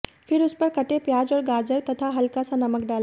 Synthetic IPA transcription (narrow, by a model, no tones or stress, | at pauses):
fʰɪɾʊspəɾkəʈepjaːd͡ʒɔːɾɡaːd͡ʒəɾt̪ɐt̪ʰaɦɐlkasãnɐməkɖal